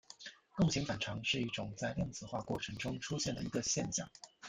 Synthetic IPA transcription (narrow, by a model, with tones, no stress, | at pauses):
k̪ʊ˥˩ɕʰi˧˥ŋfa˨˩nʈ͡ʂʰɑ˧˥ŋʂɻ̩˥˧i˥˩ʈ͡ʂʊ˨˩ŋt͡sa˥ɪljɑ˥˧ŋt͡sɹ̩˥˩xwa̰˥˧kwɔ̰˥˩ʈ͡ʂʰɤ˧˥ŋʈ͡ʂʊ˥ŋʈ͡ʂʰu˥ɕjɛ˥˩nd̪ə˩i˧˥ɡə˧ɕjɛ˥˧nɕjɑ̰˥˩ŋ